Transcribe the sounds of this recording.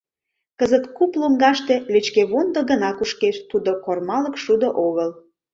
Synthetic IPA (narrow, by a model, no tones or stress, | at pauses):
kəzət̪kuploŋɡɑʃt̪e̽let͡ɕkeβond̪oɣənɑkuʃkeʃt̪ud̪okormɑlə̆kʃud̪oʔoɣəl